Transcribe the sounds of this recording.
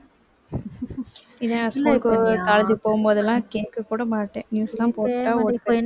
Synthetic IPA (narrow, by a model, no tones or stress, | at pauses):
ɪðenãskuːlkkaːlɐd͡ʒɯpoːɣɯmboːðɐlːãːkeːkːɯkːuːɽɐmaːʈːẽːnjuːsɛlːãːpoːʈ̪ːaːoːkːɐ̃